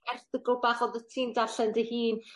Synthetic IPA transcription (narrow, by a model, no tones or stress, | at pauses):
ɛrθəɡʊlˠbaχɔðətʰiːmdaɬɛndəhiːn